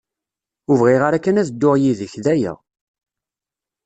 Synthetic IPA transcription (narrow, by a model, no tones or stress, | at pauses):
ʊvʁiʁaɾækːənæðd̪ːʊʁjiðəçðæjə̰ʁ